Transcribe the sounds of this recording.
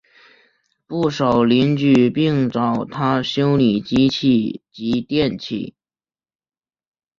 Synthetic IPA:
pu˥˩ʂɑ˨˩ʊli˧˥nt͡ɕy˥˩pi˥˩ŋʈ͡ʂɑ˨˩ʊt̪ʰa˥ɕjo˥ʊni˨˩t͡ɕi˥t͡ɕʰi˥˩t͡ɕi˧˥t̪jɛ˥˧nt͡ɕʰḭ˥˩

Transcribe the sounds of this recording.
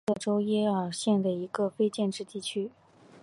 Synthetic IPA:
ɤ˥˩ʈ͡ʂo˥ʊjɛ˥ə˨˩ɕjɛ˥˩nd̪ə˩i˧˥ɡə˧fe˥ɪt͡ɕjɛ˥˧nʈ͡ʂɻ̩˥˧t̪i˥˩t͡ɕʰy˥

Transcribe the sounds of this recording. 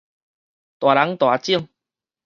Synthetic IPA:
t̪wa˨˩la˨˦ŋt̪wa˨˩t͡ɕi˥˧ŋ

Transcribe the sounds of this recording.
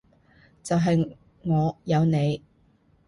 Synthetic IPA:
t͡sɐ˨wɦɐ˨j | ŋɔː˨˧jɐ˨˧wne˨˧j

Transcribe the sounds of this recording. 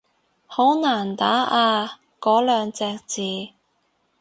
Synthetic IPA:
ho˨˥wnaː˨˩nt̪aː˨˥ʔaː˧ | kɔː˨˥lœː˨ŋt͡sɛː˧k̚t͡siː˨

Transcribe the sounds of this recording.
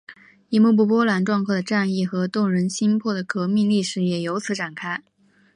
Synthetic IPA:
i˥˩mu˥˧p̬u˥˩p̬wɔ˥lwa˧˥nʈ͡ʂwɑ˥˧ŋkʰɤ˥˩d̪ə˩ʈ͡ʂa˥˧ni˥˩xɤ˧˥t̪ʊ˥˩ŋɻə˧˥nɕi˥npʰwɔ˥˩d̪ə˩kɤ˧˥mi˥˧ŋli˥˩ʂɻ̩˨˧˥jɛ˨˩jo˧˥ʊt͡sʰɹ̩˧˥ʈ͡ʂa˨˩nkʰa˥ɪ

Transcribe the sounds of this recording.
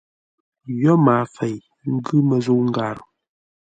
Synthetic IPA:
jɔ˦maː˨fɛ˨j | ŋ̩˦ɡʉ˦mə˨zo˦˨ŋ̩˦ɡa˨ɾ

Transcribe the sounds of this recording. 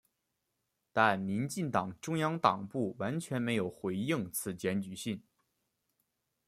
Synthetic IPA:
t̪a˥˩nmi˧˥nt͡ɕi˥˩ŋt̪ɑ˨˩ŋʈ͡ʂʊ˥ŋjɑ˥ŋt̪ɑ˨˩ŋpu˥˩wa˧˥nt͡ɕʰɥɛ˧˥nme˧˥ɪjo˨˩ʊxwe˧˥ɪi˥˩ŋt͡sʰɹ̩˧˩t͡ɕjɛ˧˥nt͡ɕy˨˩ɕi˥˩n

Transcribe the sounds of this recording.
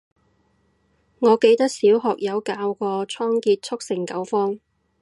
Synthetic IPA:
ŋɔː˨˧ke˧jt̪ɐ˥k̚siː˨˥wɦɔː˨k̚jɐ˨˧wkaː˧wkɔː˧t͡sʰɔː˥ŋkiː˧t̚t͡sʰʊ˥k̚sɪ˨˩ŋkɐ˨˥wfɔː˥ŋ

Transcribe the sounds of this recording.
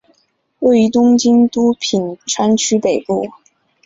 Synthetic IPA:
we˥˩y˧˥t̪ʊ˥ŋt͡ɕi˥nt̪u˥pʰi˨˩nʈ͡ʂʰa˥nt͡ɕʰy˥pe˨˩ɪpu˥˩

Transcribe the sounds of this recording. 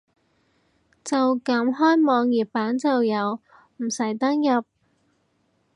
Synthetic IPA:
t͡sɐ˨wkɐ˨˥mɦɔː˥jmɔː˨˧ŋjiː˨˩p̚paː˨˥nt͡sɐ˨wjɐ˨˧w | m̩˨˩sɐ˨˩jt̪ɐ˥ŋjɐ˨p̚

